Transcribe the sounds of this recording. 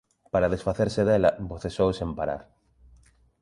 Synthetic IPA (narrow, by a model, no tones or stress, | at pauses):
paɾaðesfaθeɾseðelɐboθesowsempaɾa̰ɾ